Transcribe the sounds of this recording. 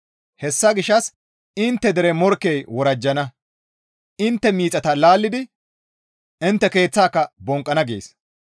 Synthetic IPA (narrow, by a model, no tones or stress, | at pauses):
hɛsːɐɡɪʃːɐs | ɪnt̪ːɛd̪ɛɾɛmɔɾkːɛjwɔɾɐd͡ʒːɐnɐ | ɪnt̪ːɛmiːt͡sʼɐt̪ɐlaːlːɪd̪ɪ | ɪnt̪ːɛke̞ːt͡sːaːkːɐbɔŋkʼːɐnɐɡḛːs